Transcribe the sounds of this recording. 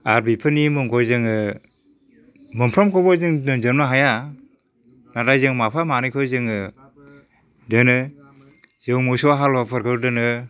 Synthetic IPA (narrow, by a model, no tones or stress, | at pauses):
aɾbipʰɯnimɯŋkʰɔjzɯŋɯ | mɯmpʰɾɔmkʰɔbɔzɯŋdɯnzɯɾmaɦaja | naɾajzɯŋmapʰamanɯjkʰɔzɯŋɯ | dɯnɯ | zɯwmɔsɔaɦalɔapʰɯɾkʰɯɾdɯnɯ